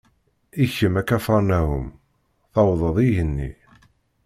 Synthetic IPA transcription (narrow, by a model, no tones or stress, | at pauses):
içəmækːæfɑɾˤnæɦʊ̰m | θɑwðˤəðˤiʝənːḭ